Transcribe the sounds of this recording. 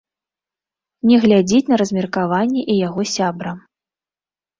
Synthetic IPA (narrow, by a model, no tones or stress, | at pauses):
nʲɛɣlʲad͡zʲit͡sʲnɐɾɐzʲmʲɛrkavanʲːɛʔijaɣɔsʲabɾɐ